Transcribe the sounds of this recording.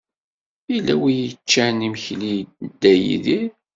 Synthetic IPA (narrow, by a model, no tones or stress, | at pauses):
ilːæwijət͡ʃːænimçlid̪ːæjḭðiɾ